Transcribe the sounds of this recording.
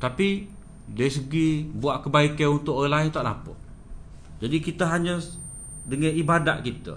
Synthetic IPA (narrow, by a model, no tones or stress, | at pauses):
t̪api | dəsəɡibuaʔkəbaikənunt̪ʊkʔoɣilaɪnt̪aʔna̰pɔ̰ʔ | d͡ʒadikit̪əɦaɲəs | dəŋɛibada̰ʔkit̪ə̰